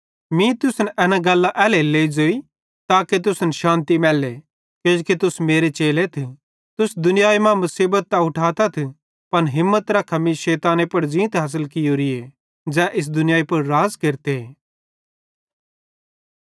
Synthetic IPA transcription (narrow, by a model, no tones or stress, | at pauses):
mĩt̪ʊsnʔɛːnãɡɐlːaʔɛːleleːid͡ʒoːi | t̪aːket̪̬ʊsnʃãːnt̪imɛːle | ked͡ʒket̪ʊsmeːɾet͡ʃeːlet̪ʰ | t̪ʊsd̪ʊnɪjaːimãmɐsiːbət̪̚ːaʊʈʰaːt̪ɐt̪ʰ | pɐnɦɪmːət̪ɾakʰɐmiʃeːt̪aːnẽpɐɽd͡ʒĩːt̪ɦaːs̬əlkɪjoɾɪe | d͡ʒɛːʔɪs̬d̪ʊnɪjaːipɐɾɾaːzkeɾt̪e